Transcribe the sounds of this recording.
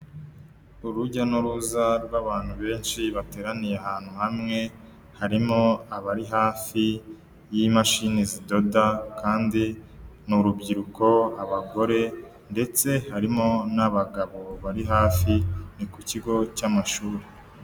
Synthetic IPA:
uɾuɟanuɾuzaɾɡwaβaːn̥huβe̞ːnʃiβate̞ːɾanijeaɦaːn̥huhamŋe̞ | haɾimoaβaɾiɦaːfi | jimaʃinezido̞dakaːndi | nuɾubɟiɾuko̞aβaɡo̞ɾe̞ | nde̞t͡se̞haɾimo̞naβaɡaβo̞βaɾiɦaːfinikuciɡo̞camaʃuːɾe

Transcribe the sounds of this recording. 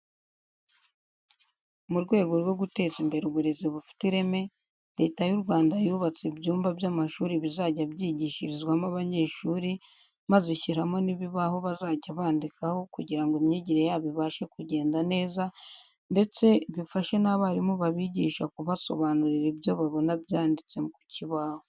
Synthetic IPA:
muɾɡwe̞ːɡo̞ɾwo̞ɡute̞ːzimbe̞ɾeɡwuɾe̞zeβufi̥tiɾe̞me̞ | ɾe̞ːtajuɾɡwaːndajuːβat͡sibjuːmbabjamaʃuːɾiβizaːɟabjiɟiːʃiɾizɡwamaβaɲe̞ːʃuːɾi | mazeçiɾamo̞niβiβaho̞βazaːɟaβaːndikʰaho̞kuɟiɾaŋɡemɲeɟiɾejaβiβaʃe̞kuɟe̞ːndane̞ːza | nde̞t͡se̞βifaʃe̞naβaɾimuβaβiɟiːʃakuβaso̞̰βaːnuɾiɾebjo̞βaβo̞nabjaːndit͡se̞muku̥cʰiβaːho

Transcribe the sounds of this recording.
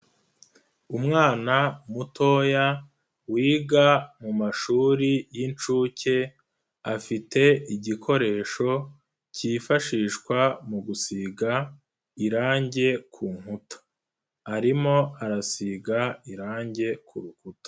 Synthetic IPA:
umŋaːnamutʰo̞ːja | wiːɡamumaʃuːɾijint͡ʃuːce̞ | afitʰe̞iɟikʰo̞ɾe̞ːʃo̞ | ciːfaʃiːʃkwamuɡusiɡa | iɾaːɲɟe̞kʰuːŋ̥hutḁ | aɾimo̞aɾasiɡaiɾaːɲɟe̞kʰuɾukutḁ

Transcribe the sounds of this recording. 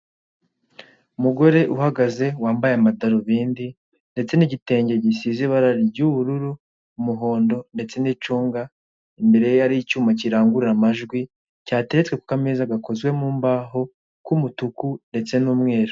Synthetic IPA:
umuɡo̞ɾe̞ʔuhaɡaze̞waːmbajeamadaɾoβiːndi | nde̞t͡se̞niɟite̞ːɲɟe̞ɟisiziβaɾaɾibɟuːβuɾuɾu | umuɦo̞ːndo̞nde̞t͡se̞niːt͡ʃuːŋɡa | imbe̞ɾe̞jejaɾicuːmaciɾaːŋɡuɾiɾamaʒɡwi | caːte̞ɾet͡sweku̥kameːzaɡako̞zwe̞muːmbaɦo̞ | kumutukunde̞t͡se̞nuːmŋe̞ːɾo

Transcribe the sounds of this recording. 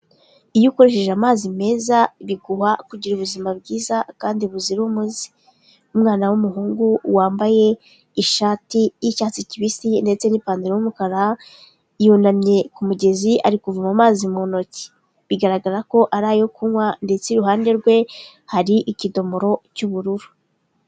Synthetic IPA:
ijuko̞ɾe̞ʃe̞ʒamaːzime̞ːzaβiɡuhakuɟiɾuβuzimabɡiːzakaːndiuβuziɾumuzi̥ | umŋaːnawumuɦuːŋɡuwaːmbaje̞ | iʃaːtijicaːt͡siciβisinde̞t͡se̞nipaːndiɾeumukaɾa | jonamɲe̞kumuɟe̞ziaɾikuvumamaːzimono̞ci̥ | βiɡaɾaɡaɾako̞ʔaɾaːjokumwande̞t͡seɾuɦaːnde̞ɾɡwe̞ | haɾiʔicido̞mo̞ɾo̞cuβuɾuɾu̥

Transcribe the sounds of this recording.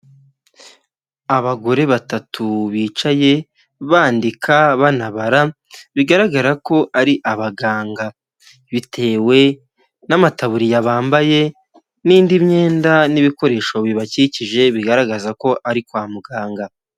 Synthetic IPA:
aβaɡo̞ɾe̞βatatʰuβiːt͡ʃaje̞ | βaːndikʰaβanaβaɾa | βiɡaɾaɡaɾako̞ʔaɾiʔaβaɡaːŋɡa | βitʰe̞ːwe̞ | namataβuɾijaβaːmbaje̞ | niːndimɲe̞ːndaniβiko̞ɾe̞ːʃo̞βiβaciciʒe̞βiɡaɾaɡazako̞ʔaɾikwaːmuɡaːŋɡa

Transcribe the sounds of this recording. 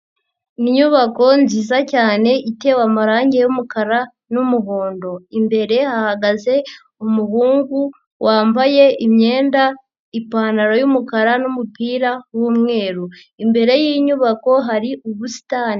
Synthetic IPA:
niɲuβako̞nziːzacaːne̞ʔite̞wamaɾaːɲɟe̞jumukaɾa | numuɦoːndo̞imbe̞ɾe̞hahaɡaze̞ | umuhuːŋɡu | wʔaːmbaje̞imɲe̞ːnda | ipaːnaɾo̞jumukaɾanumupiːɾawuːmŋe̞ːɾu | imbe̞ɾe̞jiːɲuβako̞ɦaɾiʔuβusi̥taːni

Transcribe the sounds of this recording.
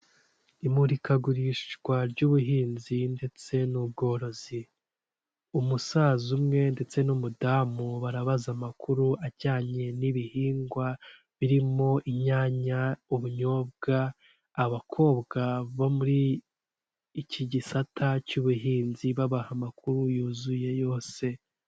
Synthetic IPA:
imuɾikaɡuɾiʃkwaɾɟuːβuɦiːnzinde̞t͡se̞nub̚ɡo̞ːɾo̞zi | umusaːzumŋe̞nde̞t͡se̞numudaːmuβaɾaβazamakʰuɾuʔaɟaːɲe̞niβihiːŋɡwa | βiɾimo̞ʔiɲaːɲauβuɲo̞ːb̚ɡaː | βakʰo̞ːβɡaβomuɾi | cʰiɟisatʰacuβuɦiːnziβaβahamakʰuɾujuːzuje̞jo̞ːse̞

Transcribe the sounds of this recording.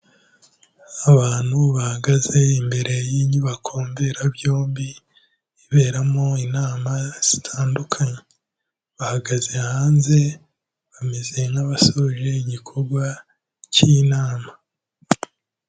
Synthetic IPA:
aβaːn̥huβahaɡaze̞imbe̞ɾe̞jiɲiβakʰo̞ːmbe̞ɾabjo̞ːmbi | iβe̞ːɾamoinaːmaz̥itʰaːndukʰaɲe | βahaɡaze̞haːnze̞ | βameze̞ŋaβasoʒe̞iɟikʰo̞ɾɡwa | cinaːma

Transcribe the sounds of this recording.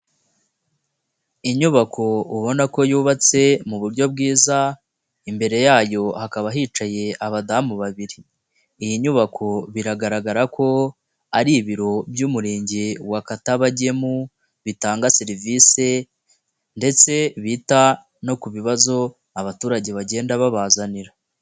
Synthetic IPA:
iɲuβakʰo̞uβo̞nako̞juːβat͡se̞muβuɾɟo̞b̚ɡiːza | imbe̞ɾe̞jaːjo̞hakaβaɦiːt͡ʃaje̞aβadamuβaβiɾiː | jiɲuβakʰo̞βiɾaɡaɾaɡaɾakʰo̞ | aɾiβiɾo̞bjuːmuɾeːɲɟewakataβaɟe̞mu | βitaːŋɡaseɾiviːse̞ | nde̞t͡se̞βita | no̞kuβiβazo̞ | aβatuːɾaɟe̞βaɟe̞ːndaβaβaːzaniɾa

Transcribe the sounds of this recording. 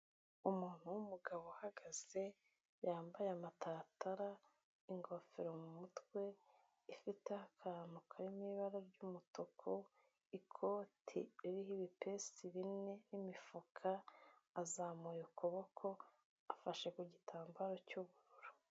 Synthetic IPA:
umuːn̥huwumuɡaβohaɡaz̥e̞ | jaːmbajeamatʰataɾa | iŋɡo̞feɾomumutwe̞ | ifitehakʰaɾanukʰaɾimiβaɾoɾɟuːmutokʰo | ikʰo̞ːtʰḭiɾiɦiβipe̞siβine̞nimifukʰaː | zaːmujukoβokʰo̞ | afaʃe̞kuɟitʰaːmbaɾo̞cuβuɾuɾu̥

